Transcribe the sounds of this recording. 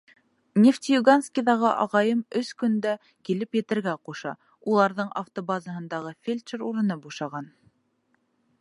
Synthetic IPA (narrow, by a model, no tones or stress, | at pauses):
nʲeft̪ʲijuɡanskʲiðɑʁɤʔɑ̰ʁɑjɤmɵskɵ̆nd̪æ | kilɘpjɘ̆t̪ɘ̆ɾɡæquʃɑ̰ | ulˠɑɾðɤɴʔa̰ft̪obazəɦɤ̆nd̪ɑʁɤfʲelʲʃeɾuɾɤ̆nɤbuʃɑʁɑn